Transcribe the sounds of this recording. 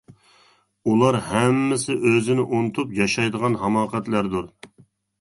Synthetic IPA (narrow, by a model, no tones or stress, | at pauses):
ulˠɑɾhɛmːɪsɪʔøzɪnɪʔont̪ʰupjɑʃɑjd̪əʁɑnɦɑmɑːqɛt̪læɾd̪uɾ